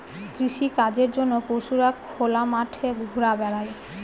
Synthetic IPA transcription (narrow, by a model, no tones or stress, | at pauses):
kɾiʃikad͡ʑeɾd͡ʑonːopowʃuɾakʰolamaʈʰebʱuɾabɛɾae